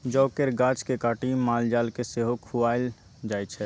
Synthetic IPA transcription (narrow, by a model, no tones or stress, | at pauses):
d͡ʒɔːkeɾɡaːt͡ʃkekaːʈimːaːld͡ʒaːlkeseɦokʰuaːɪl | d͡ʒaːjt͡ʃʰɛ